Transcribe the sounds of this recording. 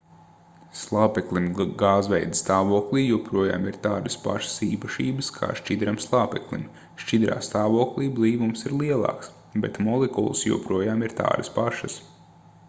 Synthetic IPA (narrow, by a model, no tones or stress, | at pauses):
slˠaːpɛklˠimɡɑːzʋɛjd̪st̪aːʋuɔklʲˠiːjuɔpɾuɔja̰ːmiɾt̪aːd̪ɐspa̰ʃɐ̥siːpɐʃiːbɨskʰa̰ːʃt͡ʃid̪ɾamslˠaːpɛklˠḭm | ʃt͡ʃid̪ɾa̰ːst̪aːʋuɔklˠiːblˠiːʋumsiɾlˠiɛlˠɑ̰ːks | bɛ̰t̪mɔlˠɛkṵlˠsjṵɔpɾuɔjaːmiɾt̪a̰ːd̪ɨspaʃɐs